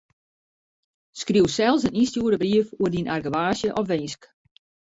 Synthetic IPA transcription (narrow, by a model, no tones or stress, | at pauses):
skriəwsɛlˠsənistjuəɾəbriəfuərdinʔarɡəʋaːsjəʔɔfʋɪnsk